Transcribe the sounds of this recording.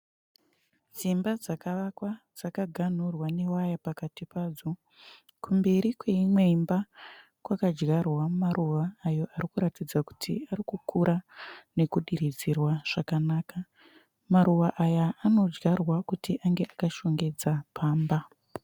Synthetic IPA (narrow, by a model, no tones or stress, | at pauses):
d͡zimbad͡zakaʋakwad͡zakaɡʱan̤urwane̞wajapakatipaːd͡zo | kumbe̞ɾikwe̞imwe̞imba | kwakad͡ʒɡarwamumaɾuʋaːjo̞ʔaɾikuɾatid͡zaku̥tʰḭaɾikukʰuɾʔane̞kuɗiɾid͡zirwaʐ̥akanaːka | maɾuʋaʔajaːno̞d͡ʒɡarwakutiʔaŋɡe̞ʔakaʃo̞ŋɡe̞d͡zapʰaːmba